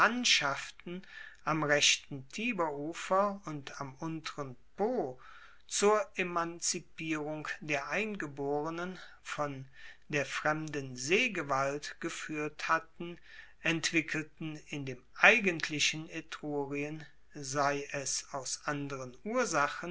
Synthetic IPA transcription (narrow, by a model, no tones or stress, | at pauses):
antʃaftn̩ʔamʁɛçtn̩tʰiːbɐʔuːfɐʊntamʔʊntəʁənpoː | t͡suːɐʔemant͡sipiːʁʊŋd̥eːɐʔaɪnɡəboːʁənən | fɔndeːɐfʁ̥ɛmdənzeːɡəvaltɡ̥əfyːɐthatn̩ | ʔɛntv̥ɪkʰəltn̩ɪndeːmʔaɪɡəntʰlɪʃən̩etʁ̥oːʁiən | zaɪʔɛsaʊsʔandəʁənʔuːɐzaχən